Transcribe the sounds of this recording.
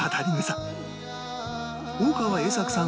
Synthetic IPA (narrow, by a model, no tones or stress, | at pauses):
hat̪ʰaɾʲimesa | oːkaβaeːsakɯ̟̥sã